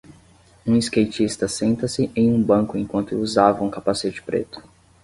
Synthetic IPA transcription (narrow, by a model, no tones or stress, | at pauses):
ũiskejt͡ʃist̪ɐsẽnt̪ɐsɪʔẽj̃ũbɐ̃kʊẽj̃kwɐ̃nt̪ʊuzavɐũkapaset͡ʃɪ̥pɾḛt̪ʊ̥